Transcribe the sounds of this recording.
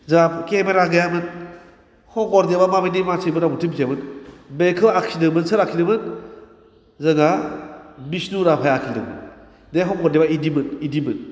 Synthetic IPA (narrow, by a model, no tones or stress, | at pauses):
zapkemeɾaɡajamɯn | hɔ̃ŋkɔɾdebamabinimasʰɯbɯnɾabutʰɯmbisʰjamɯnbekʰɯakʰsinɯmɯnsɯɾakʰinɯmɯn | zana | bisnuɾapʰajakʰinɯ̰mɯ̰n | deɦɔ̃kɔɾdebaidimɯnidimɯn